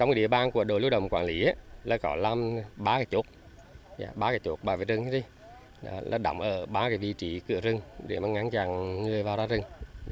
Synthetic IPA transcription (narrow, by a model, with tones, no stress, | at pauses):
t͡ɕwŋ͡mkːɗḭ˧˨əwɓaː˨˧˩nku˧˩əɗo˨˩lu˧˦ɗə̰˧˩wŋ͡mkwaː˧˨nli˨˦ʔaː˨˧˦laː˧˩kɔ˨˦laː˧mɓaː˧˦kaː˨˧˦jt͡ɕu˨˦˥t̚ | za̰ː˧˩ɓaː˧˦kaː˨˩jt͡ɕu˨˦˥k̚ɓaː˨˧˩vḭ˨˩zɨ˨˧˩ŋʰ˧˦˥i˧˨˦ | lʔa̰ː˧˩ɗa̰˨˩wŋ͡mʔəː˧˩ɓaː˨˦kaː˨˦vḭ˧˨t͡ɕi˨˦kɨ̰˧˩əzɨ˨˧˩ŋɗe˧˩maː˨˩ŋa˨˦ŋt͡ɕaː˧˨˩ŋːɨ˨˩əjvaː˨wzaː˧zɨ˨˧˩ŋ